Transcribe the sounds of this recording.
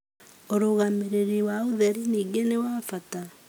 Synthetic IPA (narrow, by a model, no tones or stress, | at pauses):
oɾoɣameɾeɾiwaoðɛɾiniːɡenewafata